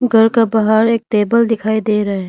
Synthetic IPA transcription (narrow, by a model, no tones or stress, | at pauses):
ɡʱɐɾkabaɦaːɾeːk̚t̪eːbəld̪ɪkʰaːid̪eːɾɐɦe